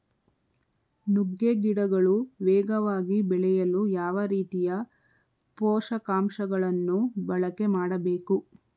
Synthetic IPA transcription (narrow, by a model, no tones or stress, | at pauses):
nuɡːeɡiɽɐɡɐɭuʋɛːɡɐʋaːɡibɛɭɛjɐlujaːʋɐɾiːt̪ijɐ | pɔːʂɐkaːmʃɐɡɐɭɐnːubɐɭɐke̞maːɽɐbe̞ːku